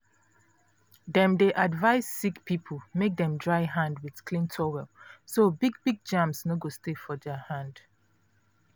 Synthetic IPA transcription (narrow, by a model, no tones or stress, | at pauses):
ðɛ̃mdeʔadvaɪsːikpʰipʰəl̩ˠmek̚dɛ̃mdɹaɪɦãndwɪð̥kʰlĩntʰɔwɛlsobiɡ̚biɡ̚d͡ʒãmsnoɡostefɔdɛhãnd̥